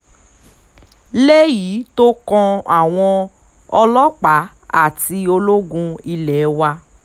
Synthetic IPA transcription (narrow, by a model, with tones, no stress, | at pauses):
le˦ji˨˦to˦kɔ̃˧a˨w̃ɔ̃˧ | ɔ˧lɔ˦k͡pa˨˦ | a̰˦˨ti˧o˧lo˦ɡũ˧i˧lɛ˨˦wa˧